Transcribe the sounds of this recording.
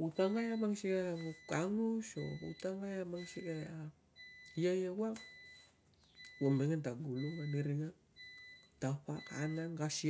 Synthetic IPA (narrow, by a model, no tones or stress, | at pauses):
ut̪aŋajamaŋsikajaukaŋuso̰ṵt̪aŋajamaŋsikajaʔa | ijaijauaŋ | uaŋbɛŋant̪aɡuluŋaniɾiŋa | t̪apaka̰naŋkasi